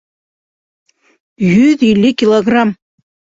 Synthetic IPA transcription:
jyðilʲːikʲilˠoɡrɑm

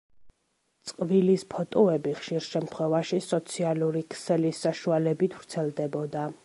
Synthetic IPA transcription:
t̪sʼqʼvilispʰɔt̪ʼɔɛbiχʃiɾʃɛmt̪ʰχwɛvaʃisɔt̪sʰialuɾikʰsɛlisaʃualɛbit̪ʰv̥ɾt̪sʰɛlˠd̪ɛbɔd̪a

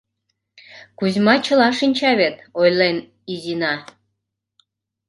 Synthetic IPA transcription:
kuzʲmɑt͡ɕə̆lɑʃinʲt͡ɕɑβet̪ojlen | izinɑ

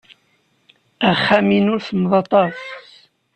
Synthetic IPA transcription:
əʁχːæminʊɾθmðˤɑt̪ˤɑs

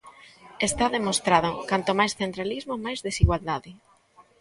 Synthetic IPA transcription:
est̪aðemost̪ɾaðʊkant̪omajsθent̪ɾalizmomajzðesiɣwald̪aðɪ

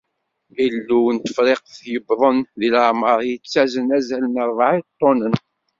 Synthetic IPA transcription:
ilːuwnt̪ə̥fɾeqəθjəbðˤənðiləʕməɾˤjət͡sːæzənæzælənəɾˤvʕit̪ˤːonən

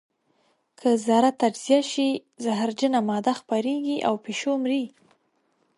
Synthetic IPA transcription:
kʰəzɑɾat̪ːad͡ʒz̥ijaʃi | zaɦaɾd͡ʒənamɑd̪axpaɾeɡiʔawpeʃomɾi

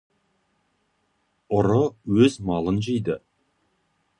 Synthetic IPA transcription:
ʊɾʊwɵzmɑlˠənʒejd̪ə

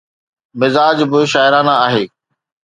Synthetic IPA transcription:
mɪzaːd͡ʒbɪʃaːɪɾaːnãaːɦeː

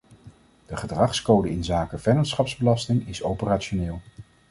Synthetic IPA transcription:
d̥əχədrɑχskowdəɪnzaːkəvɛjnɑntsχɑpzbəlɑstɪŋɪsowpəraːt͡ʃoneːlˠ

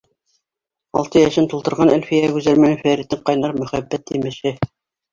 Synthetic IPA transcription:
ɑ̰lˠt̪ɤjæʃɘnt̪ulˠt̪ɤ̆ɾʁɑnælfijæɡʉzælmænɘfæɾit̪ɘɴqɑjnɑɾmɵ̆χæbːæt̪̚ːimɘ̆ʃɘ

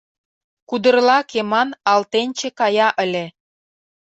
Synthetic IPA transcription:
kud̪ə̆rlɑkemɑnɑlt̪enʲt͡ɕĕkɑjɑʔə̆lʲĕ

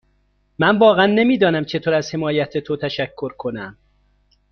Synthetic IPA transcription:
mænvɒːɣæænːe̞miːd̪ɒːnæmt͡ʃʰe̞t̪ʰoːɾæzhe̞mɒːjæt̪ʰet̪ʰot̪ʰæʃækʰːoɾkʰo̞næm

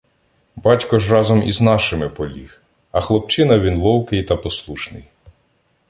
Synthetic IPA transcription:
bɑtʲkɔʒrɑzɔmḭznɑʃɪmɪpɔlʲḭx | ɐxlˠɔp̚t͡ʃɪnɐʋʲinlˠɔwkɪjt̪ɐpɔslˠuʃnɪ̰j

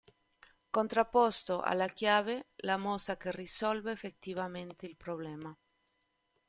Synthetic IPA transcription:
kont̪ɾapːɔst̪oʔa̰lːakjaːvelamɔsakerisɔlveːfet̪ːivament̪eilpɾoblɛːma

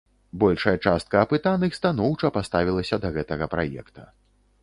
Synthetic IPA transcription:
bɔlʲʂɐjɐt͡ʂast̪̚kɐːpɨt̪anɨxst̪anɔwt͡ʂɐpast̪avʲilˠɐsʲɐd̪ɐɣɛt̪ɐɣɐpɾa̰jɛ̰kt̪ɐ

